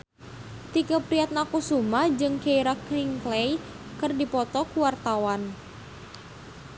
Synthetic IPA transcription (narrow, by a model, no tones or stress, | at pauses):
t̪ikapɾiat̪̚nakusumad͡ʒɨŋkaiɾakliŋklej | kɨrdipɔt̪ɔkuwart̪awan